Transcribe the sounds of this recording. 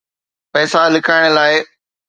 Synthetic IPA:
pɛːsalɪkaːɪɽ̃əlaːɪ

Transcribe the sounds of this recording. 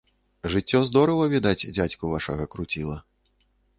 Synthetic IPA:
ʐɨt͡sʲːɔzd̪ɔɾɐvɐvʲid̪at͡sʲd͡zʲat͡sʲkuvaʂɐɣɐkɾut͡sʲilˠɐ

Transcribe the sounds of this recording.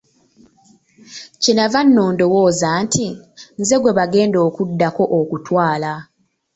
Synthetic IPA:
cinavanːo̞ːndo̞woːzaːntinze̞ɡwe̞βaɡe̞ːndo̞ːkudːako̞ʔokutwaːla

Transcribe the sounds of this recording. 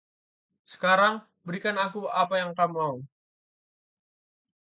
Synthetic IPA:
sə̥kaɾaŋ | bəɾikanakuapajaŋkamːau

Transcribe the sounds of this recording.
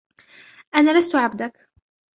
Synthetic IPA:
ʔanaːlast̪ʊʕabd̪ak

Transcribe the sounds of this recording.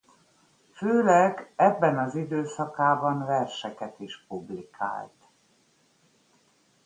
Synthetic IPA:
føːlɛɡɛbːɛnɒzid̪øːsɒkaːbɒnvɛrʃɛkɛt̪iʃpublikʰa̰ːlt̪

